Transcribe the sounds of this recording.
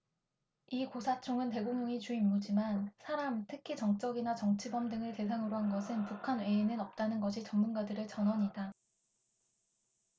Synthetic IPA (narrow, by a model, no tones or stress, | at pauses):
ikosʰat͡ɕʰoŋɯnte̞ɡoŋjoŋit͡ɕuimːod͡ʑimansʰaɾamtʰɯkʰit͡ɕʌŋt͡ɕ͈ʌɡinat͡ɕʌŋt͡ɕʰibʌmdɯŋɯɭte̞s̬ʰaŋɯɾoɦanɡʌsʰɯnpukʰanwe̞ːnɯnʌp̚t͈anɯnɡʌɕʰit͡ɕʌŋmunɡadɯɾɯɭt͡ɕʌnɦʌɲida